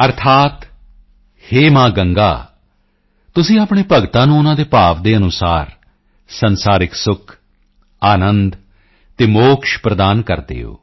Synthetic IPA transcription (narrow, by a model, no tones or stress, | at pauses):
əɾt̪ʰaːt̪ | heːmãːɡəŋɡa̰ː | t̪ʊsĩːaːpɳ̃eːpəɡt̪ãːnũːʊnãːd̪eːpaːʋd̪eːənʊsaːɾ | sənsaːɾɪksʊkʰ | aːnənd̪ | t̪eːmoːkʃpɾəd̪aːnkəɾd̪ḛːɦo̰ː